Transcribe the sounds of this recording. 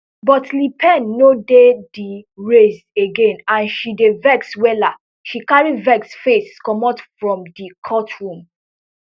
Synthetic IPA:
bɔtlipʰɛ̃nːodediɹes | eɡẽnãnʃidevɛkswɛla | ʃikaɹivɛksfeskɔmɔtfɹɔ̃mdikʰɔtʰɹũm

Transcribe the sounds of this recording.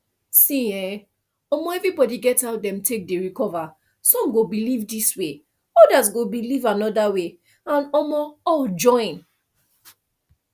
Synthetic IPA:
sĩɛ | ɔmɔɛvɹibɔdiɡɛtaʊtdɛ̃mtʰek̚deɹikɔva | sɔ̃mɡobilivdiswe | ɔdas̬ɡobilivanɔdawe | ãnɔmɔɔld͡ʒɔ̃ɪ̃n

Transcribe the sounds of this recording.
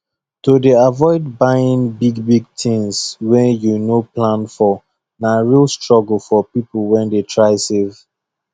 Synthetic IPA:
todeavɔɪd̚bajĩnbiɡbiɡ̚tʰĩŋswɛ̃njunoplãnfɔ | naɹilˠstɹɔɡəl̩ˠfɔpiplwɛ̃ndetʰɹaɪsev

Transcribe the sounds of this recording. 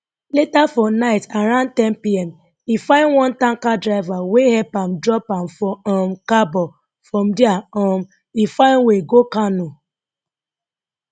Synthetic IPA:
letafɔnaɪtaɾãntɛnpiɛm | ifãɪnwɔ̃ntãŋkadɾaɪvawehɛpam̩dɾɔpam̩fɔɔm̩kabɔ | fɹɔ̃m̩diaɔm̩ | ifãɪnweɡokanu

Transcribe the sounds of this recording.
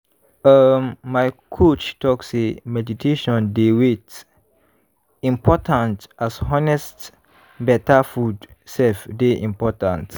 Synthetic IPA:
əmːajkʰot͡ʃtɔksemɛditʰeʃɔ̃ndewet | ĩmpʰɔtʰãntʔasɔnɛst | bɛtafudsɛlfdeʔḭ̃mpɔtã̰nt

